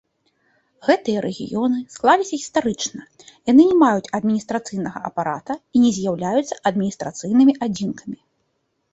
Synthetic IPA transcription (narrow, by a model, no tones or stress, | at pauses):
ɣɛt̪ɨjɐɾɛɣʲḭjɔnɨsklˠalʲisʲɐɣʲist̪aɾɨt͡ʂnɐ | janɨnʲɛmajut͡sʲɐd̪̚mʲinʲist̪ɾat̪sɨjnɐɣɐ̰ʔɐ̰paɾa̰t̪ɐinʲɛzʲjawlʲajut̪sːɐʔɐd̪̚mʲinʲist̪ɾat̪sɨjnɨmʲiʔad͡zʲinkʰɐmʲi